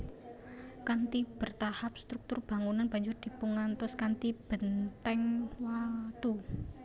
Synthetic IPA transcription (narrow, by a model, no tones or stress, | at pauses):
kant̪ib̥ə̤rt̪ahap̚st̪ɾuk̚t̪ʊrb̥a̤ŋunanba̤ɲd͡ʒʊrd̪̥i̤pəŋant̪ɔskant̪ib̥ənt̪ɛŋwat̪u